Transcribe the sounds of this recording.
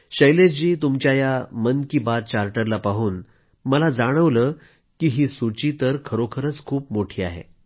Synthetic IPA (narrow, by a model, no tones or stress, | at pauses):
ɕəjlesd͡ʑiːt̪umt͡ɕjajamənkiːbad̪̚t͡ɕaɾʈəɾlapaɦuːn | məlad͡zaɽ̃əʋləː | kiːɦiːsut͡ɕiːt̪əɾkʰəɾokʰəɾət͡skʰuːpmoʈʰiːa̰ɦḛ